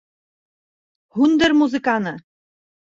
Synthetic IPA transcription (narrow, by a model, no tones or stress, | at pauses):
hund̪ɘ̆rmuzɨkɑnɤ̆